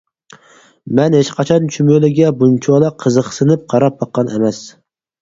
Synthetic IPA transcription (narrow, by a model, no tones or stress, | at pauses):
mɛnhet͡ʃqʰɑt͡ʃʰɑnt͡ʃʰymølɪɡʲɛbunt͡ʃʰɒlˠɑqʰəzɨqsɨnɪp̚qʰɑɾɑp̚bɑqːɑnemɛs